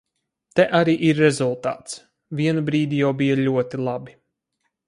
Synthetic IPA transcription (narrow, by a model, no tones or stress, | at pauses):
t̪ɛʔaɾiːʔiɾːɛzulˠt̪a̰ːt̪s | vʲiɛnubɾiːd̪ʲijawbijalʲuɔt̪ilˠabi